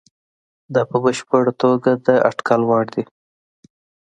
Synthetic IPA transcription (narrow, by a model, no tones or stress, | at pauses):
d̪ɑpəbəʃpəɽat̪oɡad̪əʔa̰ʈkalwɑɽd̪i